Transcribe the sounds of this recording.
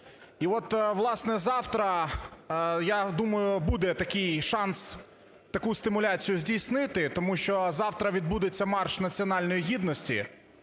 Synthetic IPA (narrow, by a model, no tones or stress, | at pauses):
iʋɔt̪ʋlˠɑsnɛzɑwt̪ɾɐ | jad̪umɐjʊbud̪ɛt̪ɐkɪjʃɑns | t̪ɐkust̪ɪmʊlʲat͡sʲijʊzʲdʲijsnɪt̪ɪt̪ɔmuʃt͡ʃɔzɑwt̪ɾɐʋʲid̪̚bud̪ɪt͡sʲːɐmɑrʃnɐt͡sʲiɔnɑlʲnɔjiɦid̪nɔsʲtʲḭ